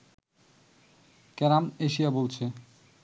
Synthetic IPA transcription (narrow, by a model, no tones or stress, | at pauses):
kɛɾameʃijabolt͡ɕʰe